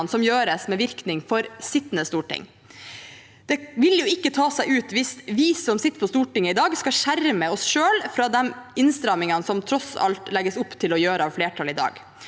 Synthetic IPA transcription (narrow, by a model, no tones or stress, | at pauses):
nsɔmjøːɾəsmɛʋɪɾknɪŋfɔɾsɪt̪ːnəst̪uːʈɪ̰ŋ | d̪̥ɛʋɪljʊɪkːət̪ʰɑːsæɪʉːt̪ʋɪsʋiːsɔmsɪt̪ːə̥pʰɔst̪uːʈɪŋːəɪd̪ɑːɡskɑʃæɾməɔsʃøːlfɾɑːd̪ɛmɪnst̪ɾɑmɪŋɑnsɔmt̪ʰɾɔsɑ̰lt̪lɛɡəsʊpːt̪ʰɪlɔjøːɾəɑːʋfleːʈʰɑlɪd̪ɑ̰ːɡ